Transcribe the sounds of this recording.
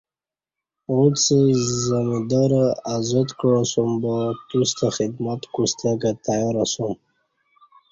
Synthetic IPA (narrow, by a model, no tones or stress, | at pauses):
ut͡sizamid̪aɾaazad̪kɻasumbat̪ust̪ʰaχid̪mat̪kʷust̪ʰaɡat̪ʰajaɾasum